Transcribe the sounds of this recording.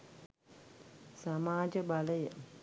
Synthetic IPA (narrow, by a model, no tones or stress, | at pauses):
samaːd͡ʒəbaləjə